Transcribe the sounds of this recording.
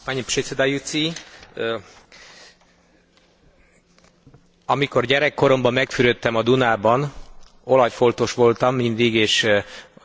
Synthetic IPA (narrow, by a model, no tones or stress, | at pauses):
paɲpʃet̪sed̪ɑjut̪si | ɒmiko̞rɟɛɾɛkːo̞ɾo̞mbɒmːɛkfyɾøt̪ːɛmɒd̪unaːbɒn | o̞lɒjfo̞lt̪o̞ʃʋo̞lt̪ɒmːind̪iɡeːʃ